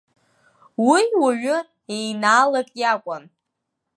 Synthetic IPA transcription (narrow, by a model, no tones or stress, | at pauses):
wiwaɥʊ | ejnaːlakʼjakʷʼan